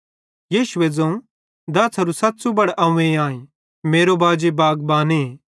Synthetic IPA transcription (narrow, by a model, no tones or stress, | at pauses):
jiːʃʊed͡zɐ̃ũ | d̪ɐːsʰɐɾusɐt̪sũbɐɽʔɐːũẽãːẽ | meːɾobaːd͡ʒebaːɡbaːne